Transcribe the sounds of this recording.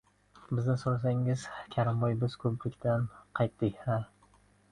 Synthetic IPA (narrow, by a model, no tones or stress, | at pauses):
bɪznɪsoɾas̬aŋɪzkʲʰaɾɪmbɒjbɪzkʰɵplɪkʲt̪ʰanqʰɑjt̪ːɪkʲha